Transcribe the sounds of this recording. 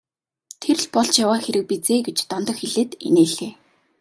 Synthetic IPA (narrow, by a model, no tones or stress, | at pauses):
t̪ʰer̆ɮpɔɮt͡ɕjawaːxeɾɘ̆k̚pit͡seːɡet͡ɕt̪ɔnt̪ɞ̆xeɮeːt̪ḛneːɮeː